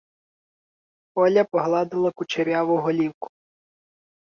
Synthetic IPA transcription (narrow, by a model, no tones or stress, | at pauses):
ɔlʲɐpɔɦlˠɑd̪ɪlˠɐkʊt͡ʃeɾʲɑʋʊɦɔlʲiwkʊ̥